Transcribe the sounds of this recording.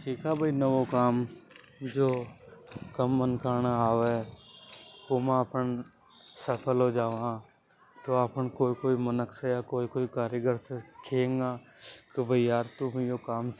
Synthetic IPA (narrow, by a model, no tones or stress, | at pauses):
t͡ʃʰiːkabʱəinəʋokaːm | d͡ʒoː | kəmːənkaːnaaːʋe | komãəpən | səpʰəlɦod͡ʒaːʋã | t̪oapənkoːikoːimənəksejakoːikoːikaːɾjəɡəɾsekʰẽːŋɡaː | kɪbʱəiaːɾt̪ʊmẽjokaːm